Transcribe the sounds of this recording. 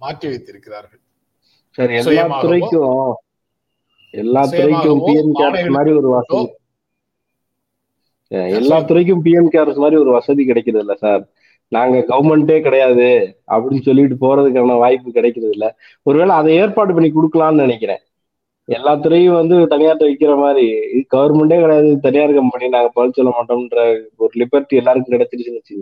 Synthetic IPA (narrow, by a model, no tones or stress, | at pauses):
kː | saɾɛlːaːt̪ʊɾɐɪkːʊ̃ | ɛlːaːt̪ʊɾɐɪkːʊ̃piːɛmkaːɾsmaːd̪ɾiɔɾɯʋɐsɐði | a̰ɾɛlːaːt̪ʊɾɐɪk̬ːɯ̃mpiːɛmkaːɾsmaːd̪ɾiɔɾɯʋɐsɐðikɪɽɛkːɪɾɐðɪlːɐsaːɾ | naːŋɡɐɡɐʋɐɾmɛɳʈeːkɪɽɐjaːðɯɐ̰pːɐɽɪnsɔlːɪʋɪʈ̬ːɯpoːɾɐðɯk̬ːaːnɐʋaːjpːɯkɪɽɛkːɪɾɐðɪlːɐ | ɔɾɯʋeːɭɐːðɛeːɾpaːɽɯp̬ɐɳːik̬ɔɽɯkːɐlãːnɯnɪɳɛk̬ʲːɪɾḛ̃ː | ɛlːaːt̪ːɯɾɐjʊ̃ʋɐnd̪ɯt̪ɐnɪjaːɾɐʋɐɪkːɪɾɐmaːd̪ɾiɡɐʋɐɾmɛɳʈeːkɪɽɐjaːðɯt̪ɐnɪjaːɾɯkːɐmpɐɳːinaːŋɡɐpɐːsɔlːɐmaːʈːɯmɪnrɐɔɾɯlɪbɛɾʈːɛlːaːɾɯk̬ːɯ̃mkɪɽɛt͡ʃːɪɾɯsɪnɐt͡ʃːɪ